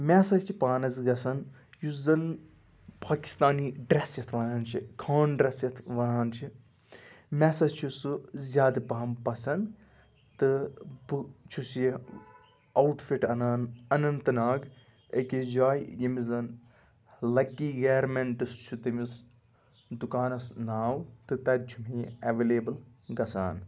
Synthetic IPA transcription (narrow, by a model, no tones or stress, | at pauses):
mʲɛːsɐst͡ʃʰipaːnɐzɡɐsɐn | juzɐn | pʰaːki̥st̪aːniːɖɾesjɐt̪ʰʋɐnaːnt͡ʃʰikʰaːnɖɾesjɐt̪ʰʋɐnaːnt͡ʃʰi | mʲɛsɐst͡ʃʰusɨzʲjaːd̪ɨpɐɦɐmpɐsɐn | t̪ɨbɨt͡ʃʰusje | ɐwʈfiʈɐnaːnɐnɐnt̪ɨnaːɡ | əkid͡ʒaːjjimizɐn | lɐkːiːɡeːɾmeɳʈɨst͡ʃʰut̪imis | d̪ukaːnɐsnaːwt̪ɨt̪ɐt̪̚d͡ʒʰʱumijɐʋeːleːbɨl | ɡɐsa̰ːn